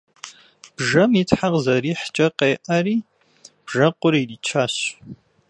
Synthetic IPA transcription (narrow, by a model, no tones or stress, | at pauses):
b̥ʒɐmitʰħaqzɐɾiːħt͡ʃʼɐqeːʔɐɾiː | b̥ʒɐqʷʊɾiːdit͡ʃʰaːɕ